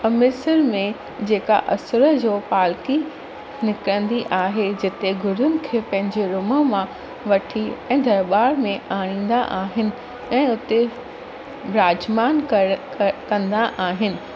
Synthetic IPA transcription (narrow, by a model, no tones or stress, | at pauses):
ɐmɪsəɾmẽ | d͡ʑeːka̰ʔɐsɾəd͡ʑoːpaːlki | nɪkɾə̃nd̪iʔaːɦed͡ʑɪt̪eɡʱʊɾʊnɪ̆kʰeːpɐ̃ɦɪ̃ɲd͡ʑeɾʊmə̆mã | ʋɐʈʰiɛ̃ːd̪ʱɐɾɓaːɾmẽaːɽ̃ĩːn̆d̪a̰ʔaːɦɪnɪ̆ | ɛ̃ːʊt̪e | ɾaːd͡ʑmaːnk | kɐ̃nd̪aʔaːɦɪnɪ̆